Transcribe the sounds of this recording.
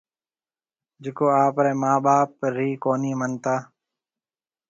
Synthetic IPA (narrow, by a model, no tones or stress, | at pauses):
d͡ʒekoːaːpɾɛ̃ːmaːɓaːpɾiːkoːniːmənt̪aː